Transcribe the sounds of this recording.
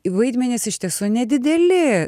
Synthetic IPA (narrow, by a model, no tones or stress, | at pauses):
ʋɐɪd̪ʲmʲɛnʲɪsɪʃʲt̪ʲiɛsuːnʲɛd̪ʲɪd̪ʲɛlʲɪ